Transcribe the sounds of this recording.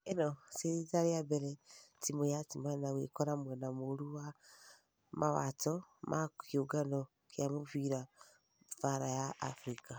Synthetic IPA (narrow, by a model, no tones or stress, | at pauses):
enoseɾizaɾiabeɾetimojatimaanawekoɾamwɛnamoɾuwa | mawa̰tɔmʔakʰjoɡano | kjamuβiɾa | vaɾaja̰ːfɾika